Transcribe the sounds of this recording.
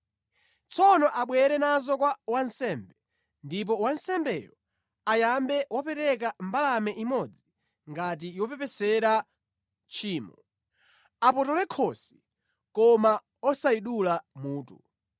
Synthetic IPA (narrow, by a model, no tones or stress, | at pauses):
t͡sʰɔnɔʔaɓwɛɾɛnazɔkwawansɛːmbɛ | ndip̬ɔwansɛmbɛjɔ | ajambɛwapɛɾɛk̬ambalamɛʔimɔd͡zi | ŋɡat̬ijɔpɛpɛsɛɾa | t͡ʃʰiːmɔ | apɔtɔlɛkʰɔsi̥ | kɔma | ɔsaiɗulamuːtṵ